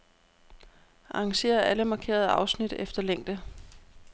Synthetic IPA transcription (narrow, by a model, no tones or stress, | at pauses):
ʔɑ̈ŋɕe̝̰ːɐʔæləmɑ̈kʰe̝̰ːɐð̞̩ˠəʔɑ̈ʊsnid̥efd̥ɐleŋ̰d̥ə